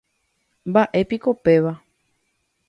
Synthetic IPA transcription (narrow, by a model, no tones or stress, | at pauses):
mbaʔe̞piko̞pe̞ʋa